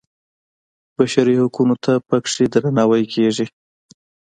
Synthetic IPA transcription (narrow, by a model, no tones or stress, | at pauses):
b̥aʃaɾihakunot̪ʰapakʂid̪ɾanɑwajkʰeʐi